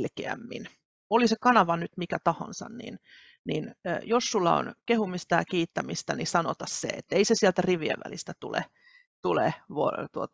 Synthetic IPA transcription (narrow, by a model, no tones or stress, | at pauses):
lkeæ̰mːḭn | olisekɑnɑʋɑnyt̪mikæt̪ɑho̰nsɑ̰nnḭn | ninːjossulːɑo̰nkehumist̪ɑjɑkiːt̪ːæmist̪ænisɑnot̪ɑssḛḛt̪ːeisesiælt̪æriʋiḛʋːæ̰list̪æt̪ṵlḛ | t̪uleʋot̪uot̪